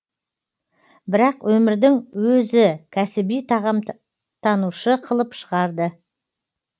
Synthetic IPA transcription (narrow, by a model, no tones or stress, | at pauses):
bɪɾɑqwɵmɪɾd̪ɪŋwɵzɪkʲʰæsɪbijt̪ɑʁɑm | t̪ʰɑnuʃəqʰəlˠəpʃəʁɑɾd̪ə